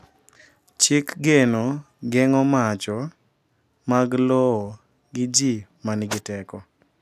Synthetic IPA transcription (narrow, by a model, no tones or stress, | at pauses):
t͡ʃɪkɡeno | ɡɛŋɔmat͡ʃɔ | maɡlɔː | ɡɪd͡ʒimanɡɪtɛkɔ